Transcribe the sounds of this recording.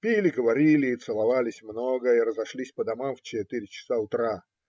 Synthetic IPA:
pʲilʲɪɡəvɐɾʲilʲɪːt̪sɨlˠɐvalʲɪsʲmnoɡəiɾəzɐʂlʲisʲpəd̪ɐmamft͡ɕɪt̪ɨɾʲɪt͡ɕɪ̥saʊt̪ɾa

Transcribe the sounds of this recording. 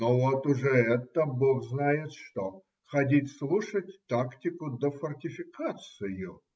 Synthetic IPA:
novot̪ʊʐɛɛt̪əboɣznajɪt̪ʂt̪o | xɐdʲitʲslˠuʂətʲt̪aktʲɪkʊd̪əfɐrtʲɪfʲɪkʰat̪sɨjʊ

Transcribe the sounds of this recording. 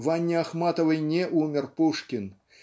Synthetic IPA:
vanʲːiaxmat̪ɐvɨjnʲɛʔumʲɛrpuʂkʲin

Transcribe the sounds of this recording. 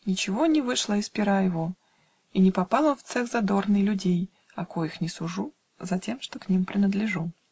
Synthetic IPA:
nʲɪt͡ɕɪvo̞nʲɪvɨʂlˠəɪspʲɪɾajɪvo̞ | inʲɪpɐpɑlˠəft̪sɛxzɐd̪o̞rnɨjlʲʉdʲej | ɐkojɪxnʲɪsʊʐu | zɐtʲe̞mʂt̪o̞knʲimpɾʲɪnəd̪lʲɪʐu

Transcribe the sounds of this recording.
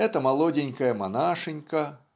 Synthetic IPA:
ɛt̪ɐmalˠɔdʲenʲkɐjɐmanaʂɨnʲkɐ

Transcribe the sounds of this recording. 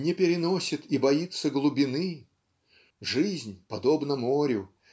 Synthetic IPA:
nʲɪpʲɪɾʲɪnosʲɪt̪ibɐit̪səɡlˠʊbʲɪnɨ | ʐɨzʲnʲpɐd̪obnəmoɾʲʊ

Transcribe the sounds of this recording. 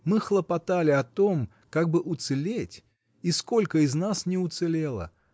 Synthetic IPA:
mɨxlˠəpɐt̪alʲɪɐt̪o̞m | kaɡ̚bɨʔʊt̪sɨlʲetʲ | isko̞lʲkəɪznasnʲɪʊt̪sɨlʲe̞lˠə̰

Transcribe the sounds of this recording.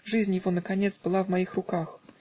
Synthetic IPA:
ʐɨzʲnʲjɪvonəkɐnʲet̪sbɨlˠavmɐixrʊkax

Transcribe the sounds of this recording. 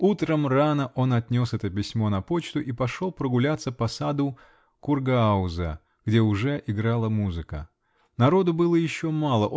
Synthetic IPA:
ut̪ɾəmranəʔo̞nɐt̪ʲnʲo̞sɛt̪əpʲɪsʲmo̞nɐpo̞t͡ɕt̪ʊʔipɐʂolˠpɾəɡʊlʲat̪səpɐsad̪ʊ | kʊrɡɐaʊzə̰ | ɡ̥dʲe̞ʊʐɛʔɪɡɾalˠəmuzɨkə̰ | nɐɾo̞d̪ʊbɨlˠəjɪɕːo̞malˠəʔ

